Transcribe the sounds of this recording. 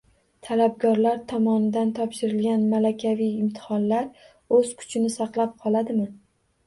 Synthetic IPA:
t̪ʰalab̚ɡʲɒɾlaɾt̪ʰɒmɒnɪd̪ant̪ʰɒpʃɪɾɪlɡʲanmalakʲʰavijɪmt̪ʰɪ̥hɒnlaɾ | ɵz̥kʰʊ̥t͡ʃʰɪnɪsɑqlˠap̚qʰɒlˠad̪ɪmɪ

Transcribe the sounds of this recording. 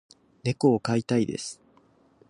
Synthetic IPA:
ne̞ko̞ːkait̪aid̪e̞̰sɨ̥

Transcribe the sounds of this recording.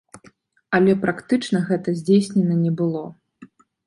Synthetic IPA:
ɐlʲɛpɾakt̪ɨt͡ʂnɐɣɛt̪ɐzʲd͡zʲejsʲnʲɛnɐnʲɛbɨlˠɔ

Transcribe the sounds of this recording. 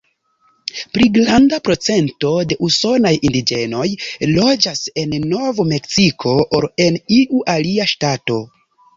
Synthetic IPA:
pɾiɡɾandapɾo̞t͡se̞nto̞de̞ʔuso̞najindid͡ʒe̞no̞jlo̞d͡ʒase̞nːo̞vome̞ksikʰo̞ʔːɾe̞niʔuʔaliaʃtato̞

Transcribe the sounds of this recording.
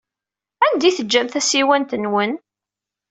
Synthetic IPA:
ænd̪iθəd͡ʒːæmθæsiwænt̪ənwən

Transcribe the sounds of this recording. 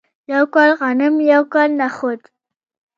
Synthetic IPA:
jawkɑlɣanɪmjawkɑlnaχʊd̪

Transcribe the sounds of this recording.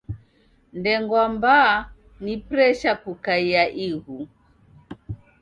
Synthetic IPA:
ndɛŋɡwambaː | nipɾɛʃakukaiaʔiɣu

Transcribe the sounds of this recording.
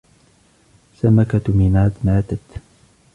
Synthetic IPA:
samakamɪnaːd̪maːt̪at̪

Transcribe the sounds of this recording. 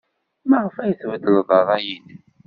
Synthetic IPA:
mæʁəfæjəθvəd̪ələðˤɑðˤæjin

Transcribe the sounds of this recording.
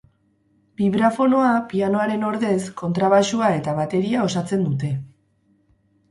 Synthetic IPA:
biβɾafo̞no̞apiano̞aɾe̞no̞ɾðe̞sko̞nt̪ɾaβaʃuae̞t̪amat̪e̞ɾiao̞sat͡se̞nd̪ut̪e̞

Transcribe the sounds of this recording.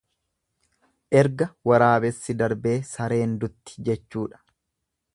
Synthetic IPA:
ʔɛɾɡɐwɐɾaːbɛsːɪd̪ɐɾbe̞ːsɐɾe̞ːnd̪ʊt̪ːɪ̥d͡ʒɛt͡ʃːuːᶑɐ̥

